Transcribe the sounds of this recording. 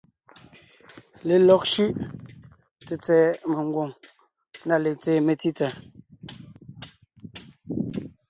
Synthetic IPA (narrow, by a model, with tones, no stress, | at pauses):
le˨lɔ˦k̚ʃʉ˦ʔ | t͡se˨t͡sɛː˦me˨ŋ˦ɡwo˨ŋ | na˦˨le˨t͡seː˦˨me˨ti˦t͡sa˨